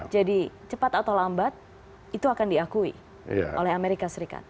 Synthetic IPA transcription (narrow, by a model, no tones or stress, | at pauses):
d͡ʒadit͡ʃəpat̪at̪olambat̪̚ | it̪uakandiakuḭ | ja̰ʔolɛhameɾikasəɾika̰t̪̚